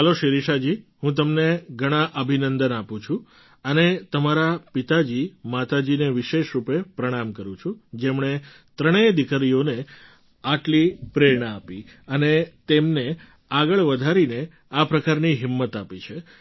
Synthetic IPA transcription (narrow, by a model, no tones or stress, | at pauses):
ɦəloʃiɾiʃad͡ʒiɦũt̪̬əmneɡʱəɽ̃ãʔəbʱinənd̪ənapũt͡ʃʰu | ənet̪əmaɾapit̪ad͡ʒimat̪ad͡ʒineʋɪʃeʃɾupepɾəɽ̃amkəɾũt͡ʃʰũd͡ʒemɳ̃e | t̪ɾəɽ̃ed̪ikəɾijone | aʈlipɾeɾɳaapi | ənet̪emne | aɡəɭʋəd̪ʱaɾine | apɾəkaɾniɦɪmːət̪apit͡ʃʰe